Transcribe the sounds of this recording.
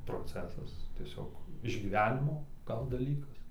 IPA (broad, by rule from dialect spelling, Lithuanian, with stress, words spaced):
proːˈt͡sʲæːsɐs tʲiɛˈsʲoːk ɪʒʲɡʲiːˈʋʲæːnʲɪmoː ˈɡɐlˠ dɐˈlʲiːkɐs